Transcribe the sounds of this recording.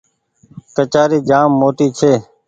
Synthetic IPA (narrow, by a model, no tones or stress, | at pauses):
kət͡ʃaːɾiːd͡ʒaːmːoːt̪iːt͡ʃʰeː